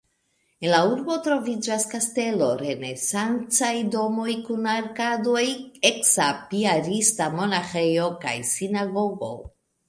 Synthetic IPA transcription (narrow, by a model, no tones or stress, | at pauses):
enlauɾbo̞tɾo̞vid͡ʒaskaste̞lo̞ɾe̞ne̞sant͡sajdo̞mo̞jkunaɾkado̞jeksapiaɾistamo̞naxe̞jo̞ka̰jsinaɡo̞ɡo̞̰